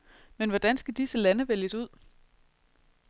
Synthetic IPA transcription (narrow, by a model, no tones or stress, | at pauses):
menʋɒd̥ænsɡ̥æd̥isəlænəʋeljəsuð̞̰ˠ